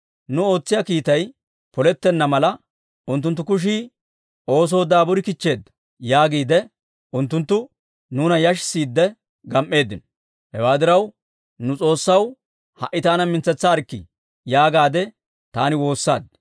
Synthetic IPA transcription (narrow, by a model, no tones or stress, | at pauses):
nʊo̞ːt͡sːɪjaːkiːt̪ɐj | pɔlɛt̪ːɛnːɐmɐlɐ | ʔʊnt̪ːʊnt̪̬ːʊkʊʃ̬iː | o̞ːs̬o̞ːd̪aːbʊɾɪkɪt͡ʃːe̞ːd̪ːɐ̥ | jaːɡiːd̪ɛ | ʔʊnt̪ːʊnt̪ːʊ | nuːnɐjɐʃsiːd̪ːɛ | ɡɐmʔːe̞ːd̪ːɪnɔ̥ | hɛwaːd̪ɪɾɐw | nʊt͡sʼo̞ːsːɐw | hɐʔːɪt̪aːnɐmɪnt͡sːɛt͡sːaːɾkːɪ̰ | jaːɡaːd̪ɛ | t̪aːnɪwo̞ːsːa̰ːd̪